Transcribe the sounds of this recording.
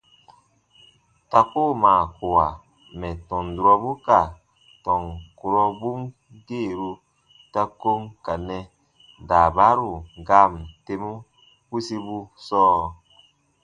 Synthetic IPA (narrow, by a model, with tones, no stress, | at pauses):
ta˨ko˦˨maː˨ku˨wa˨ | mɛ˨tɔ˨ndu˨ɾɔ˦bu˦ka˨ | tɔ˨ŋku˨ɾɔ˦bu˦m | ɡeː˦˨ɾu˦ | ta˦ko˦ŋka˨nɛ˨ | daː˨ba˦ɾu˨ɡa˦m˨te˦mu˦ | pu˦si˦bu˦sɔː˦˨